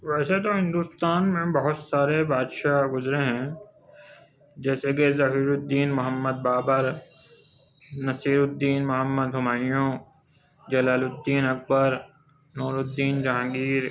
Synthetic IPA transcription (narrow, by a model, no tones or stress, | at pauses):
ʋɛːset̪oɦɪ̃nd̪uːst̪aːnmẽbɐɦʊt̪saːɾebaːd̪ʃaɡʊzɾeɦɛ̃ | d͡ʒɛːsekezɐɦiːɾʊd̪ːiːnmʊɦəmːəd̪̚baːbəɾ | nɐsiːɾʊd̪ːiːnmʊɦəmːəd̪ɦʊmaːjõː | d͡ʒɐlaːlʊd̪ːiːnɐk̚bəɾ | noːɾʊd̪ːiːnd͡ʒaɦãŋɡiːɾ